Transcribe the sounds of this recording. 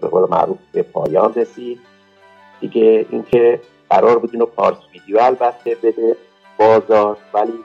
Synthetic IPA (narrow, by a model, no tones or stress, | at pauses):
beɣoːlemæ̰ɾuːfb̥epʰɒ̰ːjɒːnresiːd̪̥̚ | d̥̪iɟeḭŋcʰe̞ | ɢ̥æɾɒːɾbuːd̪inopʰɒ̰ːɾsviːd̪ijoælbæt̪ʰːe̞be̞d̪e | b̥ɒːzɒːʃvæliː